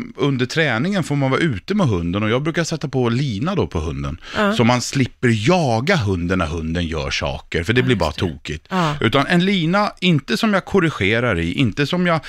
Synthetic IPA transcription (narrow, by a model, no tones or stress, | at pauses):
ɵnd̪əʈʰɾɛːnɪŋənfoːɾmanvɑ̰ɾʉ̟ːt̪əmɛɦɵnd̪ənɔjɑːɡ̚bɾʉ̟ːkasɛt̪ːapʰɔliːnad̪ɔpʰɔɦɵnd̪ə̰nsɔmːanslɪpːəɾjɑːɡaɦɵnd̪ənaɦɵnd̪ənjœ̰ːʂɑ̰ːkəɾfœɖɛblɪɾbɑ̰ɾa̰t̪ʰuːkɪt̪ʔʉ̟ːt̪anɛnliːnaɪnt̪əsɔmjakʰʊɾɪɧeːɾaɾɪ̰ʔɪnt̪əsɔmjɑɡ